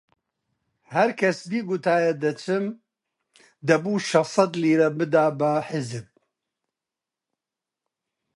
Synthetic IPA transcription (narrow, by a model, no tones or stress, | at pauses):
hɐɾkʰɐsd̪iːɡʊt̪ʰaːjɐd̪ɐt͡ʃɨm | d̪ɐbuːʃɐfsˤɐd̪liːɾɐbɨd̪aːbɐħɪzɨb̚